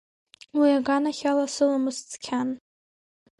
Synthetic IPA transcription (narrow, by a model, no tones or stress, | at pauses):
wiaɡanaχʲalasɨlamɨst͡sʼkʲʰan